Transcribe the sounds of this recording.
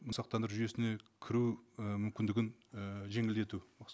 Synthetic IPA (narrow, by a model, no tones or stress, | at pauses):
məsɑq̚t̪ɑnd̪əɾʒʏje̞sɪne̞kʲʰɪɾuəmʏmkʲɪnd̪ɪɡʲɪnʒe̞ŋɪld̪e̞t̪umɑ